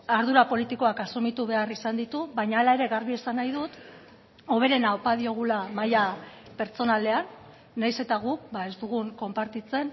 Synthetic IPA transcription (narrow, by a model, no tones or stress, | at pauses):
aɾðuɾapo̞lit̪iko̞akasumit̪uβ̞e̞arisand̪it̪uβajɲaːlae̞ɾe̞ɣaɾβie̞sanajðut̪ | o̞βe̞ɾe̞naopaðio̞ɣ̞ulamaja | pe̞ɾt͡so̞nale̞anː | ajse̞t̪aɣ̞uk̚bae̞zd̪uɣ̞uŋko̞mpaɾt̪it͡se̞n